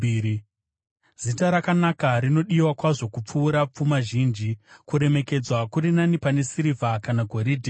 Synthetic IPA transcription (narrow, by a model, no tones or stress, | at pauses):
zitaɾakanakaɾino̞ɗiwakwaʐo̞kup͡fuːɾap͡fumaʒiːnd͡ʒikuɾe̞me̞ke̞d͡zwakuɾinanipane̞siɾivakanaɡʱo̞ɾiːdʱi